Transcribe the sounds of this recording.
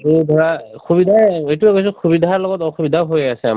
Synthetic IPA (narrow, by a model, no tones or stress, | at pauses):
ejdʱɔɹaxʰubidʱaejtuɛkojs̬ɛxʰubidʱaɹlɔɡɔtɔxubidʱaɦojasɛ̰